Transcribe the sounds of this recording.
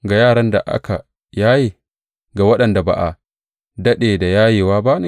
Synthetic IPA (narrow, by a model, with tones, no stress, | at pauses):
ɡa˨jaː˦˨ɽɐ˦nda˨ʔa̰˦kʰa˨ | jaː˦jeː˨ | ɡa˨wɐ˦ɗɐ˨nda˨ba̰˨ʔa˨ | dɐ˦ɗeː˨da˨jaː˦jeː˨waː˦ba˦n˦˨